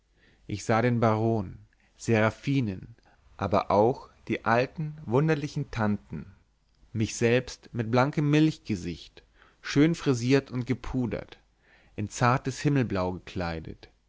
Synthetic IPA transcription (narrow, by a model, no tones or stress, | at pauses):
ʔɪçz̥aːɾeːnbaʁoːn | z̥eːɐʁafiːnən | ʔaːbɐ̰ʔaʊxd̥iːʔaltn̩vʊndɐlɪçn̩tʰantn̩ | mɪçz̥ɛlpstmɪt̚b̥laŋkəmːɪlçɡ̥əzɪçt | ʃøːnfʁ̥iziːɐtʰʊnt̚ɡ̥əpʰuːdɐ̰t | ʔɪnt͡saɐtəshɪml̩blaʊɡəkʰl̥aɪdə̰t